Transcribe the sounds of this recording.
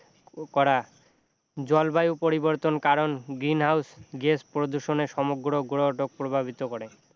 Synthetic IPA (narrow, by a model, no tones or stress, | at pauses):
kɔɾa | d͡ʑɔlbajupoɾiboɾt̪onkaɾonɡɾinɦawsɡespɾod̪uʃoneɾʃɔmoɡɾoɡɾoʈok̚pɾobʱabʱit̪okoɾe